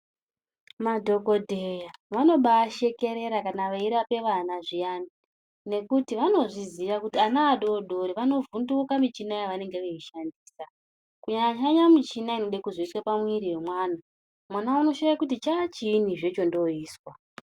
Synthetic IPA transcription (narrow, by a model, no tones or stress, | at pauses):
madʱo̞ko̞dʱejaʋano̞ɓaːʃe̞ke̞ɾe̞ɾakanaʋaiɾape̞ʋanaʐijani | ne̞kutiʋano̞ʐiziʋakutianaːɗoɗoɾiʋano̞vundukamit͡ʃinajaʋane̞ŋɡe̞ʋeiʃandiːsa | kuɲaɲaɲamit͡ʃinainoɗekuzoiswapamwiɾiwe̞mwaːna | mwanauno̞ʃajakutit͡ʃaːt͡ʃiːn̤iʐet͡ʃo̞ndo̞iːswa